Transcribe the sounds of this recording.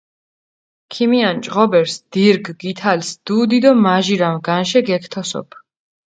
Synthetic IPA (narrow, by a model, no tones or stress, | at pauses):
kʰimiant͡ʃʼʁɔbɛɾsd̪̥iɾɡɡit̪ʰalsd̪̥uːd̪id̪ɔmaʒiɾamɡanʃɛɡɛkʰt̪ʰɔsɔ̰pʰ